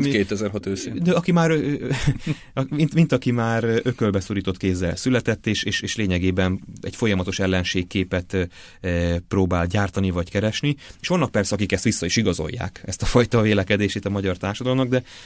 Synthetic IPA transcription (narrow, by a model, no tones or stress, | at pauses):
keːt̪ɛzɛrɦɒt̪øːsed̪ɛɒkimaːɾø | int̪mint̪ɒkimaːɾʔøkølbɛsoɾiːt̪o̞t̪keːzːɛ̰lsylɛt̪ɛt̪ːeːʃeːʃeːʃleːɲɛɡeːbɛnɛ̰cfo̞jɒmɒt̪o̞ʃɛlːɛnʃeːkkːeːpɛt̪ | proːbaːlɟaːrt̪ɒnivɒckɛɾɛʃnieːʃʋɒnːɒk̚pɛrsɛɒkikɛst̪ʋisːɒiʃiɡɒzo̞̰jːa̰ːkɛst̪ɒfɒjt̪ɒveːlɛkɛd̪eːʃet̪ɒmɒɟɒrt̪aːrʃɒd̪ɒlomnɒɡ̚d̪ɛ